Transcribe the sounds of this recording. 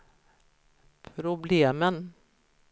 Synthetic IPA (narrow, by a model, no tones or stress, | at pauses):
pʰɾʊbleːmən